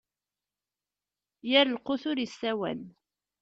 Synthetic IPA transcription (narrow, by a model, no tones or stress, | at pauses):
jæɾəlqʊθʊɾisːæwæ̰n